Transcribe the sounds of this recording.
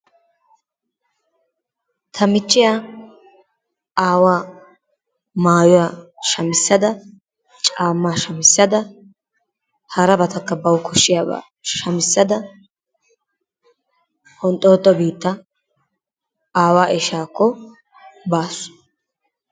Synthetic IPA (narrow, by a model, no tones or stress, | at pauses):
t̪ʰɐmɪt͡ʃːɪjaː | aːwaː | maːjɔjaʃɐmɪsːɐd̪ɐ | t͡ʃʼaːmːaːʃɐmɪsːɐd̪ɐ | hɐɾɐbɐt̪ɐkːɐbɐwkʰɔʃːɪjaːba̰ː | ʃɐmɪsːɐd̪ɐ | hɔnt̪ʼːoːt̪ʼːɔbiːt̪ːɐ | aːwaːʔɛʃaːkːɔ | baːsʊ̥